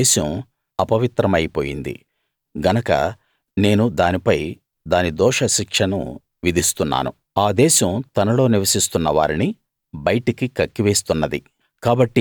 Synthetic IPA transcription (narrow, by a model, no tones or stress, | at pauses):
ʃɐm | ɐpɐʋit̪ɾɐmɐjpoːjḭnd̪ḭ | ɡʱɐnɐkɐ̰ | ne̞ːnud̪aːnipɐj | d̪aːnid̪ɔːʂɐʃikʂɐnṵ | ʋid̪ʱist̪unːa̰ːnṵ | aːd̪ɛːʃɐmt̪ɐnɐlo̞ːniʋɐsist̪unːɐʋa̰ːɾini | bɐjʈikikɐkːiʋe̞ːst̪unːɐd̪ḭ | kaːbɐʈːi